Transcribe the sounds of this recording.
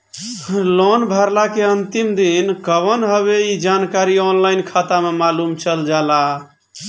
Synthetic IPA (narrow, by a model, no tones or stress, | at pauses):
lonbʱəɾlakeənt̪imd̪inkəβənɦəβeid͡ʒankaɾiɔnlaɪnkʰat̪amemalumt͡ʃəld͡ʒala